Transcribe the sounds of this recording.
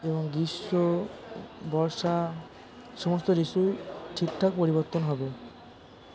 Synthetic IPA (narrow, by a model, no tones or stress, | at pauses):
eboŋɡiʃːo | bɔɾʃa | ʃɔmost̪oɾisujʈʰik̚ʈʰak̚poɾibɔɾt̪ːonɦɔbe